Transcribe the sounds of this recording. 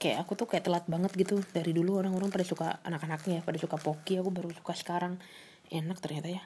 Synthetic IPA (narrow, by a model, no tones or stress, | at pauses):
kaja̰ʔːkut̪ʊkajaʔt̪əlat̪̚baŋət̪̚ɡit̪udaɾiduluoɾaŋoɾaŋpadasukaanakanak̚ɲajapadasukapokiakubaɾusu̥kasə̥kaɾaŋ | enak̚t̪ərɲat̪aja